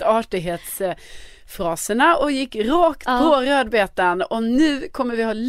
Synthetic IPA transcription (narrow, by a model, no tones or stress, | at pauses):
ɑʈɪɦeːt̪s | fɾɑːsəɳaʔɔjɪkːɾoːkt̪pʰɔɾøːd̪beːt̪ənɔnʉ̟ːkʰɔmːəɾvɪhɑːl